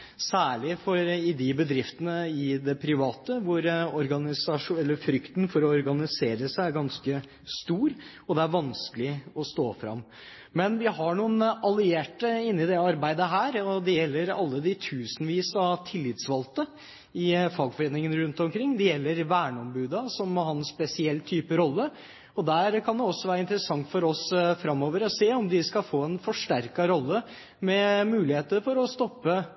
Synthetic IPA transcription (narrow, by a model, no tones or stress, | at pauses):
sæːɭɪfɔɾɪd̪ɪbəd̪ɾɪft̪ənəɪd̪ɛpʰɾɪʋɑːt̪əʋʊɾɔɾɡɑnɪsɑʂɛlːəɾfɾʏkt̪nfɔɾɔɔɾɡɑnɪseːɾəsæɪæɾɡɑnskə | st̪uːɾ | ɔd̪ɛæɾʋɑnskəlɪɔst̪oːfɾɑ̰mː | mɛnʋɪɦɑɳuːənɑlɪeːʈəɪnːɪd̪ɛɑɾbæɪd̪əɦæːɾɔd̪ɛjɛlːəɾɑ̰lːəd̪ɪt̪ʰʉːsn̩ʋiːsɑt̪ʰɪlːɪt̪sʋɑlt̪ə | ɪfɑːɡfɔɾeːnɪŋənɾʉnt̪ɔmkʰɾɪŋːd̪ɛjɛlːəɾʋæːɳəɔmbʉːd̪ɑsɔmhɑnsspɛsɪɛlːt̪ʰyːpəɾɔlːə | ɔd̪æɾkʰɑnd̪ɛɔsːɔʋæːɾəɪnt̪əɾəsɑŋt̪fɔɾɔsfɾɑmːoːʋəɾɔseːɔmd̪ɪskɑfoːɛnfɔʂʈæɾkɑɾɔlːə | mɛmʉːlɪheːt̪əɾfɔɾɔst̪ɔpːə